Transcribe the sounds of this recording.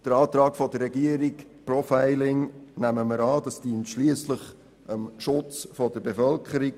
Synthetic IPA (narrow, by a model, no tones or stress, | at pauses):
d̥əɾɑːt̪ɾɑːkfɔdərːɛɡiəɾikpɾɔfæɪlɪŋnæməməɾɑːd̥ɑsd̥iːntʃliəsləχ | əmʃʊt͡sfɔdəbefœlkʰχəɾik̚